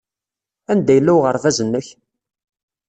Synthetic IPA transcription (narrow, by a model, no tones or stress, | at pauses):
ænd̪æjəlːæwʁəɾˤvæzənːəç